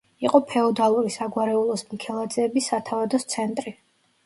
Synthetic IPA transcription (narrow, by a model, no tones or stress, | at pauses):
iqʼɔpʰɛɔd̪alˠuɾisaɡwaɾɛulˠɔsmikʰɛlˠad̪zɛːbisːat̪ʰavad̪ɔst̪sʰɛnt̪ʼɾi